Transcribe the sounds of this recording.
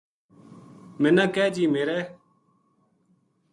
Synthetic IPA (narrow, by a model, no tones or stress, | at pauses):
mɪnãːkɛːd͡ʒiːmeːɾɛː